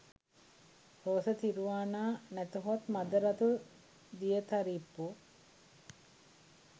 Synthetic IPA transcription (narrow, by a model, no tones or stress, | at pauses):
ɾoːsət̪iɾuʋaːnaːnæt̪uɦat̪mad̪əɾɐt̪u | d̪ijət̪aɾipːu